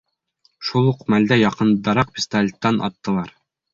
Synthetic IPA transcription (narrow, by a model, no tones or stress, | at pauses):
ʃulˠuqmæld̪æjɑqɤnd̪ɑɾɑq̚pʲist̪alʲt̪ːɑnʔɒ̰t̪ːɤ̆lˠɑɾ